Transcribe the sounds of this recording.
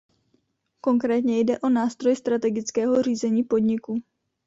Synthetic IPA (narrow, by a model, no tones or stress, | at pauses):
ko̞ŋkɾɛːt̪ɲɛjdɛʔo̞naːst̪ɾojst̪ɾat̪ɛɡɪt͡skɛːɦo̞r̝iːzɛɲiːpo̞dɲɪku